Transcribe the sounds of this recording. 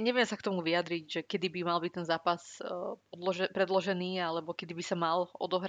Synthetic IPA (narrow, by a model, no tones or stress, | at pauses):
ɲɛʋɪɛmsakt̪ɔmuʋiad̪ɾiɟʒɛkɛd̪ibimalbic̚t̪ɛnzaːpasɔlɔʒɛpɾɛd̪lɔʒɛniːalɛbɔkɛd̪ibisamalɔ̰d̪ɔɦɾa